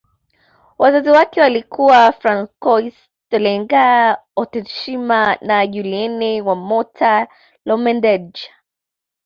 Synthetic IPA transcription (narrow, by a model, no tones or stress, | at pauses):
wʔazaziwakɛwalikuwafɾaŋkɔis | tɛlɛŋɡaɔtɛʃimanaʄuliɛnɛwamɔtʰa | lɔmɛndɛd͡ʒ